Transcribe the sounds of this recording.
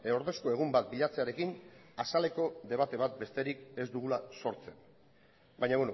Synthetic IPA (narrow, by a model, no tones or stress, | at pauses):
eoɾðe̞sko̞e̞ɣ̞umbat̪̚biʎat͡se̞aɾe̞kinasale̞ko̞ðe̞β̞at̪e̞βat̪̚be̞st̪e̞ɾike̞zd̪uɣ̞ulaso̞ɾt͡se̞n | bajɲaβweno